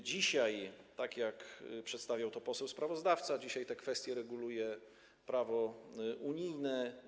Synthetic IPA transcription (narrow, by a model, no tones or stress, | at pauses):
d͡ʑiɕajt̪akjakpʂɛt̪st̪avʲjawt̪ɔpɔsɛwspɾavɔzd̪aft̪sad͡ʑiɕajt̪ɛkfɛst̪ʲjɛɾɛɡulujɛ | pɾavɔuɲijnɛ